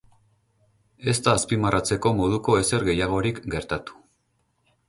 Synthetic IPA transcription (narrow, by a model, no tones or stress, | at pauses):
e̞st̪aːspimarat͡se̞ko̞mo̞ð̞uko̞e̞se̞ɾɣe̞jaɣ̞o̞ɾikɡe̞ɾt̪at̪u̥